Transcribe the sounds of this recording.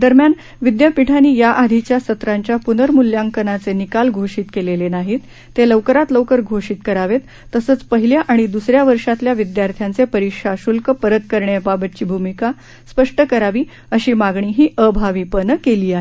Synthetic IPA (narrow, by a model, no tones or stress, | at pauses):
d̪əɾmjan | ʋid̪jəpiʈʰaniːjaʔad̪ʱit͡ɕjasət̪ɾaɲt͡ɕjapunəɾmuljaŋkənat͡senikalɡʱoɕiːt̪kelelenaɦit̪ː | eləʋkəɾat̪ləwkəɾɡʱoɕiːt̪kəɾaʋet̪ːəsəːt͡spəɦiljaʔaɽ̃id̪usɾjaʋəɾʂat̪ljaʋid̪jaɾt̪ʰjant͡sepəɾikʂaɕulkəpəɾət̪kəɾɳjababət̪̚t͡ɕiːbʱumika | spəʂʈəkəɾaʋiː | əɕiːmaɡɳiːɦiːʔəbʱaʋipənəkeliːaɦe